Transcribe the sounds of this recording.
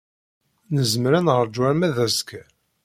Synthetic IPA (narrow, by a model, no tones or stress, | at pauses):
nəzmɾænʁəɾd͡ʒwæɾmæðæskæ